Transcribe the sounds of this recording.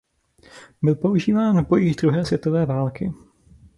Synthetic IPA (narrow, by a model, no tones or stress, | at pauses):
bɪlpo̞uʒiːvaːnvbo̞jixd̪ɾuɦɛːsvjɛt̪ovɛːvaːlkɪ